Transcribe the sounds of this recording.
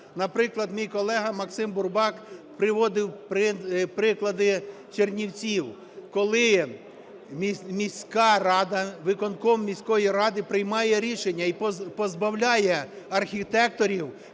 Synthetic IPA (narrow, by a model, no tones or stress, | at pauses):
nɐpɾɪklˠɐd̪mʲijkɔlˠɛɦɐmɐksɪmbʊrbɑkpɾɪʋɔd̪ɪwpɾɪpɾɪklˠɐd̪ɪ | t͡ʃernʲiwt͡sʲiw | kɔlˠɪ | mʲimʲisʲkɑɾɑd̪ɐʋɪkɔnkɔmːʲisʲkɔjiɾɑd̪ɪpɾɪjmɑjɛɾʲiʃenʲːɐipɔzbɐwlʲɑjɛ | ɐrxʲit̪ɛk̚t̪ɔɾʲiw